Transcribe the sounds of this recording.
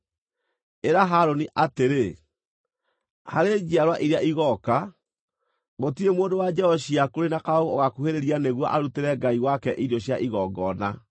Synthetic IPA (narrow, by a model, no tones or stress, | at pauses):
eɾaɦaɾoniʔateɾe | haɾed͡ʑiaɾwaʔiɾeaʔiɣɔka | ɣotiemoːndowad͡ʒɛɔɕiakoɾenakaoɣooɣakuheɾeɾianeɣwɔ̰ʔaɾuteɾɛɡaiwakɛʔidɔɕjaʔiɣɔɡɔna